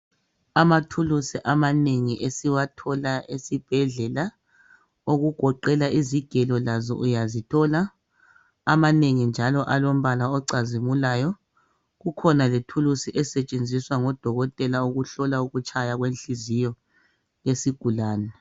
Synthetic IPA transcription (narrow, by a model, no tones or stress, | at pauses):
amatʰulusiʔamaneŋiʔesiwatʰɔlaʔesib̥ʱɛɮɛla | oɣuɡ̥ʱɔǃɛlaʔiziɡ̥ʱɛlɔlazɔ̰ʔujazitʰɔlaː | maneŋind͡ʒʱalɔʔalom̩βalaɔǀazimulaːjɔ | ɣukʰɔnaletʰulusiʔɛsɛt͡ʃʼend͡zʱiswaŋɔd̥ʱɔɣɔtʼɛlauɣuɬɔlauɣut͡ʃʼajaɣwenɬizijɔ | jesiɡ̥ʱulaːnɛ